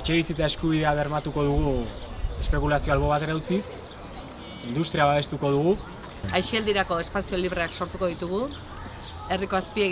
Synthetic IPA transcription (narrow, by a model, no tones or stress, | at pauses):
et͡ʃe̞βisit͡sae̞skuβ̞iðe̞aβe̞ɾmat̪uko̞ðuɣue̞spe̞kulasio̞alβo̞β̞at̪e̞ɾaut͡sis | ind̪ust̪ɾiaβaβ̞e̞st̪uko̞ðuɣu | ajʃiald̪iɾako̞espasioliβ̞reakso̞ɾt̪uko̞ðit̪uɣ̞u | e̞riko̞aspieɣ